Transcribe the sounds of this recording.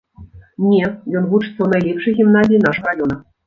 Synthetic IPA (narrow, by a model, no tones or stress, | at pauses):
nʲɛjɔnvut͡ʂɨt̪sɐwnajlʲɛpʂɨjɣʲimnazʲijinaʂɨɾajɔnɐ